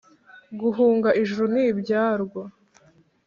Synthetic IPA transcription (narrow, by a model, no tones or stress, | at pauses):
ɡuɦuːŋɡaʔiʒuɾunibɟaːɾɡwa